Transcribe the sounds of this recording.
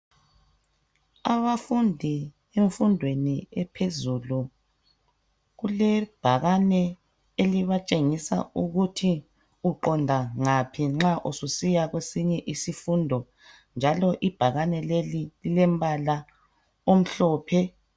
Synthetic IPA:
aβafundʱi | eɱfundʱweniɛpʰezulu | ɣulɛb̥ʱaɣanɛ | eliβat͡ʃʼeŋisa̰uɣutʰi | uǃɔndʱaŋapʰiŋ͡ǁaʔususijaɣwesiɲɛʔisifundʱɔ | nd͡ʒʱalɔʔib̥ʱaɣanɛlelililɛmbʱala | om̩ɬɔːpʰɛ

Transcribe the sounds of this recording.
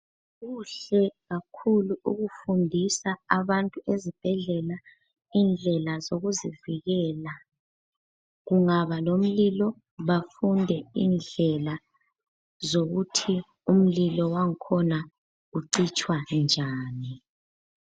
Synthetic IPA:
ɣuɬɛɣakʰuluṵɣufundʱisaaβantʼuʔezib̥ʱɛɮɛla | iːnd͡ɮʱɛlazoɣuziviɣɛla | ɣuŋaβalom̩lilɔ | βafundʱɛiːnd͡ɮʱɛla | zoɣutʰi | um̩lilɔwaŋ̩kʰɔna | uǀit͡ʃʼwand͡ʒʱaːni

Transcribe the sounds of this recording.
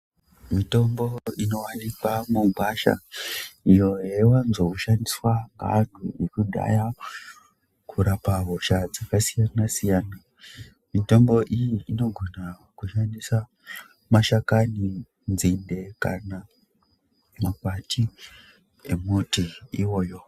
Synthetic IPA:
mito̞mbo̞ino̞wanipamubaʃa̰ | ijo̞jewanzokuʃandiswaɡa̰n̤uekuɗa̰ja | kuɾapaɦoʃad͡zakasijanasijaːna | mito̞mbo̞ʔijiːno̞ɡʱo̞na | kuʃandisa | maʃakani | nzinde̞kana | makwati | ḛmutiiwo̞ːjo̞

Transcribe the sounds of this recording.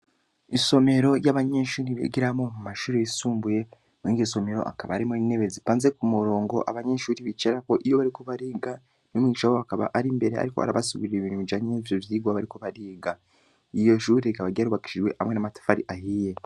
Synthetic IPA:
iso̞me̞ɾo̞ɾjaβaɲeːʃuːɾiβḭɡiɾamomumaʃuːɾeisuːmbuje̞ | muiːŋɡiso̞me̞ɾo̞̰ʔa̰kaβa̰ɾimoineβezipaːnze̞kumuɾo̞ːŋɡo̞̰ʔa̰βaɲeːʃuːɾiβit͡ʃeɾako̞ʔijo̞βaɾiko̞βaɾiːɡa | nomŋiʃawoakaβa̰ʔaɾimbe̞ɾea̰ɾiko̞ha̰ɾa̰βasiɡiɾeβiːnuid͡ʒaɲevjoβjiɡwaβaɾiko̞βaɾiːɡa | ijo̞ʃuːɾeikaβaɡiaɾuβaki̥ʃiʒwe̞ha̰mwe̞namatḁfaɾiʔahije̞

